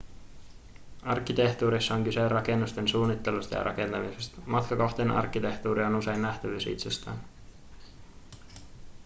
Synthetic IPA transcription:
ɑrk̟ːit̪e̞ht̪uːɾisːɑoŋkyserʔɑke̞nːust̪e̞nsuːnːit̪ːe̞lust̪ɑjɑ̰ɾɑke̞nt̪ɑmisest̪ɑ̥mɑt̪kɑko̞xt̪eːnɑ̰rkːit̪e̞ht̪uːɾio̞nuse̞jnːæht̪æʋysḭt̪se̞st̪æ̰ːn

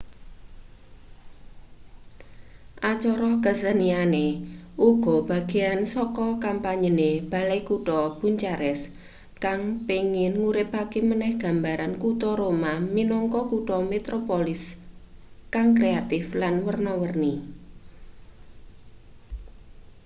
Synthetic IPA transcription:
ʔat͡ʃɔɾɔkəsənianeʔuɡ̥ɔ̤b̥a̤ɡ̥e̤jansɔkɔkampaɲəneb̥a̤lajkuʈɔb̥uɲt͡ʃaɾɛs | kaŋpiŋɪnŋuɾɪpakemənɛhɡ̥a̤mbaɾankut̪ɔɾomaminɔŋkɔkuʈɔmet̪ɾopolɪs | kaŋkɾeat̪ɪflanwərnɔwərni

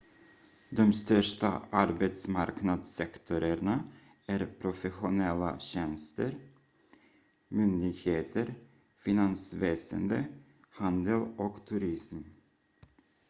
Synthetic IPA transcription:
d̪ɔmst̪œʂʈa̰ʔaɾbɛt̪smaɾknad̪sɛkt̪ʰʊɾəɾɳa | æɾpʰɾʊfɛɧʊnɛlːa̰ɕɛnst̪əɾ | mʏnd̪ɪɡheːt̪ʰəɾ | fɪnansveːsə̰nd̪ə | hand̪əlɔkt̪ʰʉɾɪsm

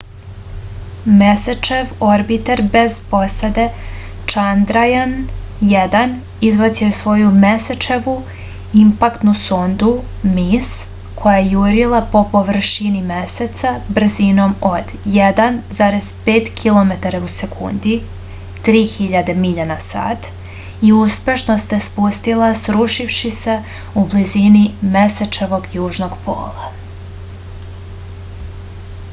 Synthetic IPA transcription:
mesat͡ʃeʋoɾbit̪eɾbe̞z̥po̞sad̪e̞ | t͡ʃand̪ɾajanjed̪an | izʋat̪siojesʋo̞jumeset͡ʃeʋu | impakt̪nusond̪u | mis | kʰo̞jajejuːɾilˠapo̞po̞ʋr̩ʃinimeset̪sabr̩zino̞mod̪jed̪anzaːɾe̞z̥peːt̪kʰilˠo̞me̞t̪aɾause̞kʰṵnd̪i | t̪ɾiːxiʎad̪e̞miʎanasa̰ːt̪ | iuspe̞ʃnost̪espust̪ilˠasɾuʃifʃise̞ | ublizinimeset͡ʃe̞ʋo̞ɡjuːʒno̞ɡpo̰ːlˠa

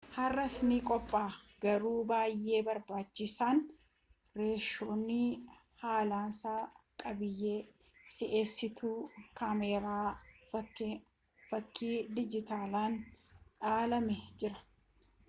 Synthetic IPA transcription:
hɐrːɐsnɪkʼɔpʼːaːɡɐɾuːbaːjːe̞ːbɐɾbaːt͡ʃːɪsaːn | ɾe̞ːʃːo̞ːnːɪ | haːlaːnsaːkʼɐbɪjːeː | sɪʔeːsːɪt̪ʰuːkameːɾaːɐ | fɐkːiːd̪ɪd͡ʒɪt̪aːlaːnᶑaːlɐmɛd͡ʒɪɾɐ̥

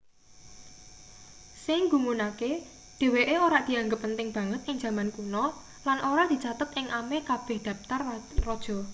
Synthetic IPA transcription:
sɪŋɡumunake | d̪̥e̤weʔeoɾaʔd̪̥i̤aŋɡəpːənt̪ɪŋb̥ä̤ŋət̪̚ʔɪŋ̥d͡ʒ̥ä̤mankunɔ | lanʔoɾad̪̥i̤t͡ʃat̪ət̪ɪŋʔamekab̥ɛ̤hd̪̥ä̤p̚t̪arrɔd̥ʒ̥ɔ̤

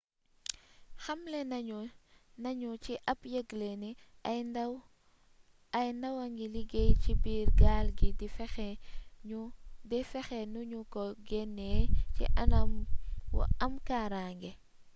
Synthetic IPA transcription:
xɐmlɛnɐunɐɲut͡ʃiʔɐpjəɡleni | ɐjndɐwɐŋɡiliɡejcibiːɾɡaːlɡidifɛxɛudifɛxɛnuɲukɔɡɛnːeːcḭʔɐnɐmw̰ɐmkaːɾaːŋɡɛ

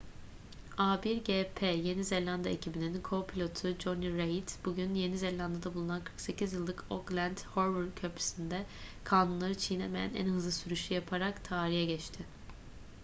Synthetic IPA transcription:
abiɾɟepʰeje̞nizelʲand̪a̰ecʰibininkʰo̞pʰilʲo̞t̪ʰʊd͡ʒo̞niɾeit̪buɟynje̞nizeɾlʲand̪ad̪abulˠunankʰɯ̥ɾkse̞cʰizjɯlˠːɯkʰoklʲænd̪hoɾvulcʰøpʰy̥sind̪ɛkʰaːnunlˠaɾɯt͡ʃʰijnemejæ̰næ̰nhɯzlˠɯsyɾyʃyjapʰaɾakt̪ʰaːɾijɛɟɛt͡ʃt̪ʰɪ

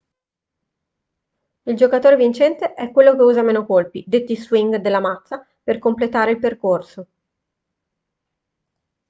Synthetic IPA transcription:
ild͡ʒokat̪oːɾevint͡ʃɛnt̪eʔɛkːwelːok̟euːzameːnokolpid̪et̪ːiswiŋɡd̪elːamat̪sːa | perkomplet̪aːɾeilperkorso

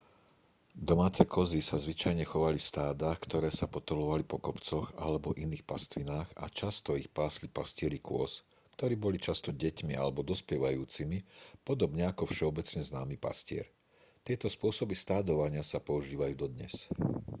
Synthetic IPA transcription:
d̪ɔmaːt͡sɛkɔzisazʋit͡ʃajɲɛxɔʋalifst̪aːd̪axkt̪ɔɾɛːsapɔt̪ɔlɔʋalipɔkɔpt͡sɔxa̰lɛbɔʔiniːxpast̪ʋinaːxa̰t͡ʃast̪ɔixpaːslipascɪɛɾikʊɔ̰s | kt̪ɔɾiːbɔlit͡ʃast̪ɔɟɛcmia̰lɛbɔd̪ɔspjɛʋajuːt͡simipɔd̪ɔbɲɛakɔfʃɛɔbɛt͡sɲɛznaːmipa̰scɪɛ̰ɾ | t̪ɪɛt̪ɔspʊɔsɔbist̪aːd̪ɔʋaɲɪasapɔuʒiːʋajuːd̪ɔd̪ɲɛ̰s

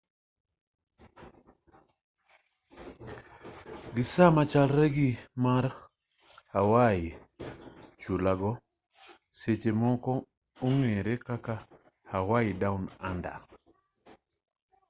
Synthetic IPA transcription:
ɡisamat͡ʃalɾeɡimaɾ | hawaji | t͡ʃulaɡɔ | set͡ʃemɔkɔ | uŋeɾekaka | hawajidawnanda̰

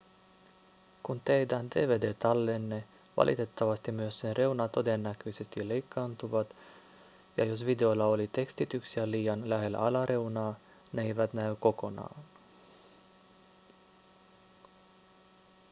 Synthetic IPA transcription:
kunt̪ejd̪ænd̪e̞ːʋeːd̪e̞ːt̪ɑlːenːe | ʋɑ̰lʔḭt̪e̞t̪ːɑʋɑst̪imyøsːe̞nrʔe̞wnɑt̪o̞d̪e̞nːækøjse̞st̪ile̞jkʰːɑːnt̪uʋɑt̪ | jɑjo̞sʋid̪e̞olːɑo̞lit̪e̞kst̪it̪yksiæliːjɑnlæɦe̞lːæ̰ɑlɑɾʔe̞wnɑː | neejʋæt̪næyko̞ko̞nɑ̰ːn

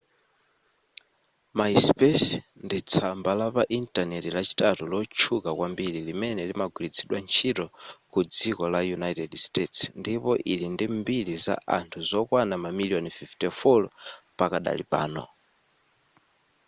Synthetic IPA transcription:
maispɛs | ndit͡sʰambalapaʔintanɛtilat͡ʃi̥tatulɔt͡ʃʰukakwambiɾilimɛnɛlimaɡwilit͡sʰiɗwant͡ʃʰitɔkud͡zikɔlajunajtɛdstetsndipɔʔilindimbiliza̰ʔa̰ntʰuzɔkwanamamiliɔnfiftɛfɔl | pakaɗa̰lḭpa̰ːnɔ̰

